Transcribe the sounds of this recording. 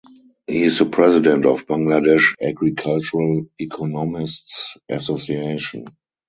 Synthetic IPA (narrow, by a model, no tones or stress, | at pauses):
hiɪsəpʰɹɛzɪdɛ̃ntɔfb̥ãŋɡladɛʃaɡɹikʰalt͡ʃuɹəlikʰɔnɔmɪstsʔasosieɪʃɔ̰̃n